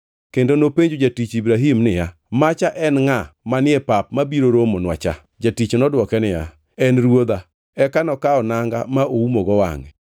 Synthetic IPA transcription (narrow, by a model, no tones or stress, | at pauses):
kendonopeɲd͡ʒod͡ʒatit͡ʃibɾaɦimnɪja | mat͡ʃaʔɛnŋamanɪɛpap̚mabiɾoɾomɔnwa̰t͡ʃa̰ | d͡ʒatit͡ʃnɔdwɔkɛnɪja̰ | ɛnɾwod̪a | ɛkanɔkaɔnaŋɡa̰maoumoɡɔwa̰ŋɛ̰